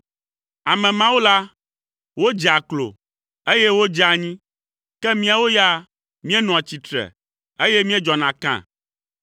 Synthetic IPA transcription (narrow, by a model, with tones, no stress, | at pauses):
a˨mɛ̃˨mã˦wo˦la˦ | wo˦d͡ʒi˨a˨klo̰˨ | e˦jɛ˦wo˦d͡ʒa˨ɲĩ˦ | kɛ˦mĩ˦a˨wo˦ja˦ | mĩ˦e˦nɔ̃˨a˨t͡ɕi˨t̪ɾɛ̰˨ | e˦jɛ˦mĩ˦e˦d͡ʒɔ˨nã˨kã̰˦˨